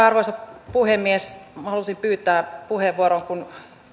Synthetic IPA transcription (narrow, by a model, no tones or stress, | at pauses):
ɑrʋoisɑppuhemːiesmɑhɑlusimpyːt̪ˑæːpuheʋːuoɾoŋkun